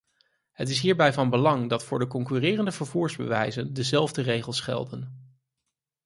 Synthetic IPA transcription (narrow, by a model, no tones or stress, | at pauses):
ɦətɪsɦiːɹbɛjvɑnbəlɑŋdɑtfʊːɹdəkɔŋkyrɪːrəndəvəɹvuːɹzbə̰ʋɛ̰jzəndəzɛlˠvdərejχəlˠsχɛ̰lˠdən